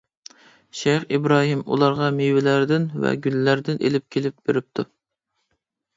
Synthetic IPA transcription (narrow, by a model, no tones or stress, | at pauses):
ʃɛjχibɾɑːɦimṵlˠɑɾʁɑmewɪlæɾd̪ɪnvɛ̰ɡʲylːæɾd̪ɪnʔḛlɪp̚kʲʰelɪp̚b̥eɾɪp̚t̪ʰu